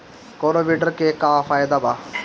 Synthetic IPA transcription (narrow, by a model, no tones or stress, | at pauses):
koːɾoːʋiːɖəɾkeːkaːfʰaːjd̪aːbaː